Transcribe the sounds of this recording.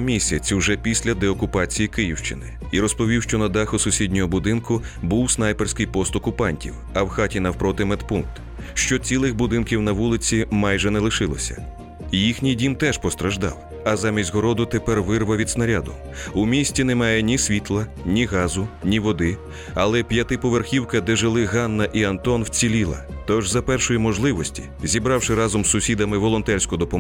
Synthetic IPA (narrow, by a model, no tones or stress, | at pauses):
mʲisʲɐt͡sʲwʒɛpʲisʲlʲɐd̪ɛɔkʊpɑt͡sʲijikɪjiwʃt͡ʃɪnɪ̰ | iɾɔspɔʋʲiwʃt͡ʃɔnɐd̪ɑxʊsʊsʲidʲnʲɔɦɔbʊd̪ɪnkʊ | buwsnɑjpɛrsʲkɪjpɔst̪ɔkʊpɑnʲtʲḭw | ɐwxatʲinɐwpɾɔt̪ɪmɛt̪punk̚t̪ | ʃt͡ʃɔt͡sʲilˠɪxbʊd̪ɪnkʲiwnɐʋulˠɪt͡sʲimɑjʒɛnɛlˠɪʃɪlˠɔsʲɐ̰ | jixnʲijdʲimt̪ɛʃpɔst̪ɾɐʒd̪ɑ̰w | ɐzɑmʲisʲtʲɦɔɾɔd̪ʊt̪epɛrʋɪrʋɐʋʲid̪snɐɾʲad̪ʊ | ʊmʲisʲtʲinɛmɑjɛnʲisʲʋʲit̪lˠɐ | nʲiɣɑzʊnʲiʋɔd̪ɪ | ɐlˠɛpʲjɐt̪ɪpɔʋerxʲiwkɐd̪ɛʒɪlˠɪɦɑnːɐʔiɐnt̪ɔnwt͡sʲilʲilˠɐ̰t̪ɔʒzɐpɛrʃɔjimɔʒlˠɪʋɔsʲtʲi̥̰ | zʲibɾɑwʃɪɾɑzɔmsʊsʲid̪ɐmɪʋɔlˠɔnt̪ɛrʲsʲkʊd̪ɔpɔ